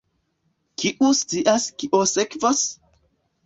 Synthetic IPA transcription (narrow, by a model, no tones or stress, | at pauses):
kʰiʔust͡siʔaskiʔosekvos